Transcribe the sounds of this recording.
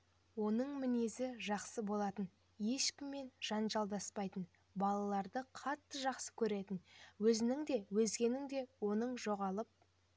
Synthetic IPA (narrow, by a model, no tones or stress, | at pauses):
wo̞nəɴmɪne̞sɪʒɑqsəbo̞lˠɑt̪ən | je̞ʃkʲɪmːe̞nʒ̥ɑnʒɑlˠd̪ɑspɑjt̪ən | bɑlˠɑlˠɑɾd̪əqʰɑt̪ːəʒɑqsə̥kʲʰɵɾe̞t̪ɪnwɵzɪnɪŋd̪e̞wɵzɡʲe̞nɪŋd̪e̞wo̞nəɴʒo̞ʁɑlˠəp̚